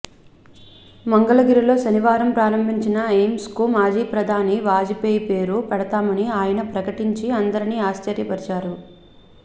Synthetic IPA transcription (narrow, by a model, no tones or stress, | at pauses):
mɐŋɡɐlɐɡiɾilo̞ːʃɐniʋaːɾɐmpɾaːɾɐmbʱiɲt͡ʃinɐeːmskumaːd͡ʒiːpɾɐd̪ʱaːniʋaːd͡ʒipeːjpe̞ːɾupɛɽɐt̪aːmɐniaːjɐnɐpɾɐkɐʈiɲt͡ʃiɐnd̪ɐɾiniːaːst͡ʃɐɾjɐpɐɾt͡ʃaːɾu